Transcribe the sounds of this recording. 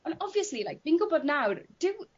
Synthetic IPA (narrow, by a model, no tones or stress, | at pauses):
ə̃nɔviəslilajk̚v̥iːnɡʊbɔdⁿnawrd̥ɪw